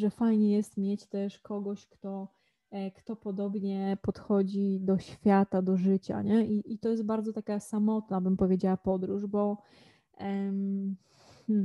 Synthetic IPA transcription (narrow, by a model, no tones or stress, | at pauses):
ʐɛfajɲɛjɛst̪mʲjɛt͡ɕt̪ɛʂkɔɡɔɕkt̪ɔ | kt̪ɔpɔd̪ɔbɲɛpɔt̪xɔd͡ʑid̪ɔɕfʲjat̪ad̪ɔʐɘt͡ɕa̰ɲɛʔiʔit̪ɔjɛst̪baɾd̪zɔt̪akasamɔt̪nabɘmpɔvʲjed͡ʑawapɔd̪ɾuʐbɔ | mm̩